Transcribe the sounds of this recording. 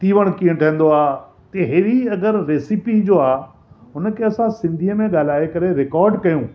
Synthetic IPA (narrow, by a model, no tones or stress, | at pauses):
t̪iːʋəɽ̃kĩːə̃ʈʰɐ̃ːn̆d̪oaː | t̪eɦeːɾiɐɡəɾːeːsipid͡ʑoːaː | ɦʊnəkʰeɐsãsɪ̃nd̪ʱiəmẽɠaːl̤aːekɐɾeɾɪkɔːɾɖkɐjũː